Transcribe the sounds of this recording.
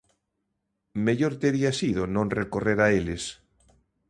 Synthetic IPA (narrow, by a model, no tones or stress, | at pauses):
meʎoɾt̪eɾiasiðonõnrekoreɾaeles